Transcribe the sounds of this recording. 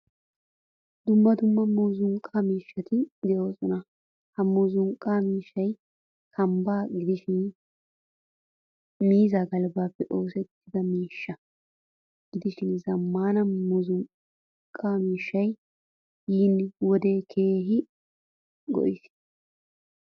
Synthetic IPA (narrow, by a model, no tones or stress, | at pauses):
d̪ʊmːɐd̪ʊmːɐmuːzʊŋkʼːamiːʃːɐt̪ɪd̪ɛjo̞ːsɔnɐ | hɐmuːzʊŋkʼaːmiːʃːɐj | kʰɐmbaːɡɪd̪ɪʃɪn | miːzaɡɐlbaːpːɛʔo̞ːsɛt̪ːɪd̪ɐmiːʃːɐ | ɡ̥ɪd̪ɪʃɪnzɐmːaːnɐmuzʊŋ | kʼːaːmiːʃːɐj | jiːnwɔd̪e̞ːkʰe̞ːɦɪ | ɡɔ̰ʔɪs